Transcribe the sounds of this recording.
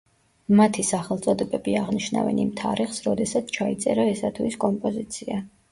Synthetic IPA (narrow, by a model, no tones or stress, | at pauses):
mat̪ʰisaχɛlˠt̪sʼɔd̪ɛbɛbiaʁniʃna̰vɛ̰nimt̪ʰa̰ɾiχsɾɔd̪ɛsat̪sʰt͡ʃʰait̪sʼɛɾaɛsat̪ʰviskʼɔmpʼɔzit̪sʰia